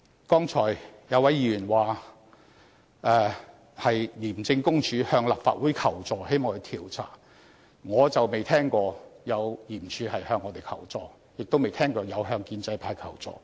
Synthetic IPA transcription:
kɔː˥ŋt͡sʰɔː˨˩jjɐ˨˧wɐ˨˥jiː˧˥jyː˨˩nwaː˨ | ʔɛː˧ | hɐ˨jliː˨˩mt͡sɪ˧ŋkʊ˥ŋt͡ʃʰyː˨˧hœː˧ŋla̰ː˨pfa̰ː˧t̚wuː˨˥jkʰɐ˨˩wt͡sɔː˨˩he˥jmɔː˨˧ŋht̪ʰiː˨˩wt͡sʰa̰ː˨˩ | ŋɔː˨˧t͡sɐ˨wme˨jt̪ʰɛː˥ŋkɔː˧jɐ˨˧wjiː˨˩mt͡ʃʰyː˨˧hɐ˨jhœː˧ŋːɔː˨˧t̪e˨jkʰɐ˨˩wt͡sɔː˨ | jɪ˨k̚t̪wme˨jt̪ʰɛː˥ŋkɔː˧jɐ˨˧wɦœː˧ŋkiː˧nt͡sɐ˧jpʰaː˧jkʰɐ˨˩wt͡sɔ̰ː˨˩

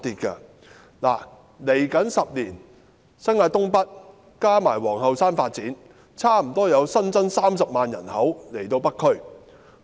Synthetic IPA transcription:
t̪iː˨t̚kɐ̰˧ | la̰ː˨˩ | le˨˩jkɐ˨˥nsɐ˨p̚liː˨˩n | sɐ˥nŋaː˧jt̪ʊ˥ŋpɐ˥t̚ | kaː˥maː˨˩jwɔː˨˩ŋɦɐ˨˧wsaː˥nfaː˧t̚t͡siː˨˥n | t͡sʰaː˥m̩˨˩t̪ɔː˥jɐ˨˧wsɐ˥nt͡sɐ˥nsaː˥msɐ˨p̚maː˨njɐ̰˨˩nhɐ˨˥wle˨˩jt̪o˧wpɐ˥kʰɵ˥ɥ

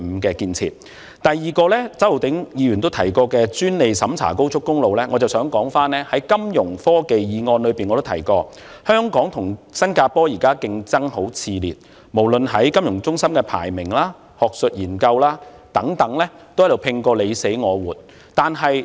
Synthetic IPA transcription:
m̩˨˧kɛː˧kiː˧nt͡sʰḭː˨t̚ | t̪ɐ˨jːiː˨kɔː˧lɛː˥t͡sɐ˥wo˨˩wt̪ɪ˨˥ŋjiː˧jyː˨˩nt̪o˥wt̪ʰɐ˨˩jkɔː˧kɛː˧t͡syː˥nle˨jsɐ˨˥mt͡sʰa̰ː˨˩ko˥wt͡sʰʊ˥kːʊ˥ŋlo˨wlɛː˥ŋɔː˨˧t͡sɐ˨˩wsœː˨˥ŋkɔː˨˥ŋfaː˥nlɛː˥hɐ˨˥jkɐ˥mjʊ˨˩ŋfɔː˥ke˨jjiː˨˧ŋɔː˧nlɵ˨˧ɥpiː˨nŋɔː˨˧o˥wt̪ʰɐ˨˩jkɔː˧ | hœː˥ŋkɔː˨˥ŋt̪ʰʊ˨˩ŋsɐ˥nkaː˧pɔː˥jiː˨˩kaː˥kɪ˧ŋt͡sɐ˥ŋho˨˥wt͡sʰiː˧liː˨t̚ | mo˨˩wlɵ˨nɦɐ˨˥jkɐ˥mjʊ˨˩ŋt͡sʊ˥ŋsɐ˥mkɛː˧pʰa̰ː˨˩jmɪ˨˩ŋlaː˥ | hɔː˨k̚sɵ˨t̚jiː˨˩nkɐ˧wlaː˥ | t̪ɐ˨˥ŋt̪ɐ˨˥ŋlɛː˥ | t̪o˥wjɐ˥t̪o˨˩wpʰɪ˧ŋkɔː˧le˨˧jse˨˥jŋɔː˨˧wuː˨˩t̚ | t̪aː˨nɦɐ˨j

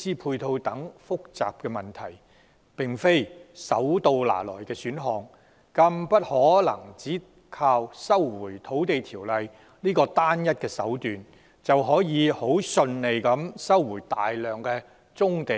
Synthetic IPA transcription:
siː˥pʰuː˧jt̪ʰo˧wt̪ɐ˨˥ŋfʊ˥k̚t͡sa̰ː˨p̚kɛː˧mɐ˨˩nt̪ʰɐ˨˩j | pɪ˨ŋfe˥jsɐ̰˨˥wt̪o˧wla̰ː˨˩lɔ̰ː˨˩jkɛː˧syː˨˥nɦɔː˨˧ŋ | kɐ˧mpɐ˥t̚hɔː˨˥lɐ̰˨˩ŋt͡siː˨˥ | kʰaː˧wsɐ˥wːuː˨˩jt̪ʰo˨˥wt̪e˨jt̪ʰiː˨˩wlɐ˨j | niː˥kɔː˧t̪aː˥njɐ˥t̚kɛː˧sɐ˨˥wt̪yː˨n | t͡sɐ˨wɦɔː˨˥jiː˨˧ho˨˥wsɵ˧nle˨˩jkɐ˨˥msɐ˥wːuː˨˩jt̪a̰ː˨jlœː˨ŋkɛː˧ | t͡sʊ˥ŋt̪e˨˩

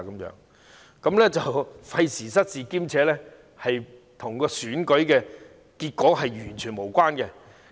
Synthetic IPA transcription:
kɐ˨˦mjœ̰ː˨˧˥ŋ | kɐ˨˥mlɛ˥t͡sɐ˨wfɐ˧jsiː˨˩sɐ˥t̚siː˨kiː˥mt͡sʰɛː˨˥lɛ˥ | hɐ˨jt̪ʰʊ˨˩ŋkɔː˧syː˨˥nkɵ˨˥ɥkɛː˧ | kiː˧t̚kɔː˨˥ɦɐ˨jyː˨˩nt͡ʃʰyː˨˩nmo˨˩wkʷaː˥nkɛ˧

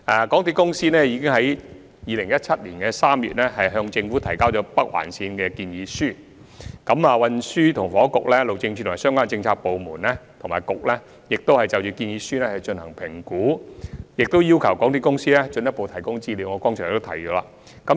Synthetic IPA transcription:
ʔaː˨˩kɔː˨˥ŋt̪i˧kʊ˥ŋsiː˥nɛː˥jiː˨˧kɪ˥ŋɦɐ˨˥j | jiː˨˧lɪ˨˩ŋjɐ˥t̚t͡sʰɐ˥t̚liː˨˩nkɛ˧saː˥mjy̰ː˨t̚nɛː˥ɦɐ˨jɦœː˧ŋt͡sɪ˧ŋfu˨˥t̪ʰɐ˨˩jkaː˥wt͡ʃɔː˨˥pɐ˥k̚wa̰ː˨˩nsiː˧nkɛː˧kiː˧njiː˨˧syː˥˩ | kɐ˨˧˥maː˨˧wɐ˧nsyː˥t̪ʰʊ˨˩ŋfɔː˨˥kʊ˨k̚lɛː˥lo˨wt͡ɕɪ˧ŋt͡ʃʰy˥t̪ʰːmː˨˩sœː˥ŋkʷaː˥nt͡sɪ˧ŋt͡sʰaː˧k̚po˨wmuː˨˩nlɛː˥t̪ʰʊ˨˩ŋmaː˨˩jkʊ˨k̚lɛ˥ | jɪ˨k̚t̪o˥whɐ˨jt͡sɐ˨˧wt͡ʃyː˨˧kiː˧njiː˨˧˥syː˥nɛː˥hɐ˨˩jt͡ʃɵ˧nhɐ˨˩ŋpʰɪ˨˩ŋkuː˨˥jɪ˨k̚t̪o˥wjiː˥wkʰɐ˨˩wkɔː˨˥ŋt̪ʰiː˧˥kʊ˥ŋsiː˥lɛː˥t͡ʃɵ˧njɐ˥t̚po˨˧wt̪ʰɐ˨˩jkʊ˥ŋt͡siː˥liː˨˧wŋɔ˨˧kɔː˥ŋt͡ʃʰːŋ̰˨t̪o˥t̪ʰɐ˨˩jt͡ʃɔː˨˧˥la̰ː˧ | kɐ˨˦˥

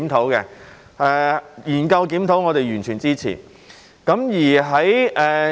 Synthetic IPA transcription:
mt̪ʰo˨˥wkɛ˧ | ɛː˧jiː˨˩nkɐ˧wkiː˨˥mt̪ʰo˨˥wŋɔː˨˧t̪e˨jɥyː˨˩nt͡ʃʰyː˨˩nt͡siː˥t͡sʰḭː˨˩ | kɐ˨˧˥mjiː˨˩ɦɐ˨˥jʔɛː˨˩

